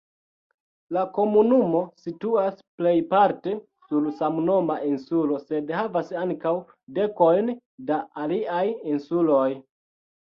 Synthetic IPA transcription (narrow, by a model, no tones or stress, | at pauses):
lako̞munumo̞situasple̞jpaɾte̞ | sulsamno̞maʔinsulo̞se̞dhavasaŋkaw | de̞ko̞jn | daaliajinsulo̞j